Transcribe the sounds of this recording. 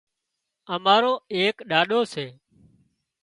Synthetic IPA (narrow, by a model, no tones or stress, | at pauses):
əmaːɾoːeːkɗaːɗoːseː